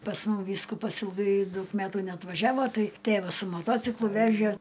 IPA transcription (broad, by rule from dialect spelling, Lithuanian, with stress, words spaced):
pɐs ˈmʊm ˈʋʲiːskʊpɐs ɪlˠˈɡɐɪ ˈdɐʊk ˈmʲæːtuː nʲɛɐtʋɐˈʒʲæːʋoː ˈtɐɪ ˈtʲeːʋɐs sʊ moːˈtoːt͡sʲɪklˠʊ ˈʋʲæːʒʲeː